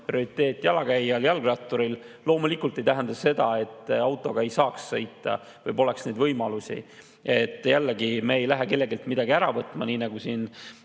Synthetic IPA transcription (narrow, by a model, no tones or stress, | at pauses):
prioɾit̪ːe̞ːt̪ʲːˑjɑlɑɡæjːɑljɑlɡrɑt̪ːˑoɾillo̞ːmulikult̪e̞jt̪æɦend̪̥ɑse̞d̪̥ɑe̞t̪ːˑɑwt̪ːˑo̞ɡ̥ɑejsɑːksːɤjt̪ːˑɑ̰ | vɤjpo̞le̞ksne̞jd̪vɤjmɑlusʲḭ | e̞t̪ːˑjælːeɡimeːjlæɦeke̞lːe̞ɡilt̪mid̪̥ɑɡiæɾɑvɤt̪ːˑmɑniːnɑɡ̥usiːn